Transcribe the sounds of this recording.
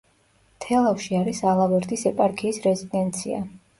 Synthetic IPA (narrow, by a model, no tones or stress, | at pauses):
t̪ʰɛlˠafʃiaɾisalˠavɛɾd̪ʼisɛpʼaɾkʰiːsɾɛzid̪ɛnt̪sʰia̰